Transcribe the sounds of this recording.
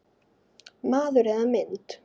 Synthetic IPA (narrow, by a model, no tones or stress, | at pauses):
maːðʏɾɛðamɪnt̪